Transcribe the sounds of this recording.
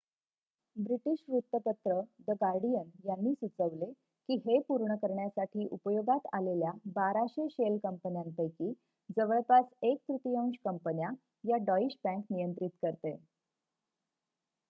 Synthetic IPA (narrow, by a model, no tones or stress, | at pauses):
bɾiʈiɕɾut̪ːət̪ət̪ɾəd̪əɡaɾɖijənjanːiːsut͡səʋle | kiːɦepuɾɳəkəɾɳjasaʈʰiːʔupəjoɡat̪aleljabaɾaɕeɕelkəmpənjampəjkiː | d͡zəʋəɭpasek̚t̪ɾut̪ijõŋɕkəmpənja | jaɖɔiɕbæ̃ŋknijənt̪ɾit̪kəɾt̪e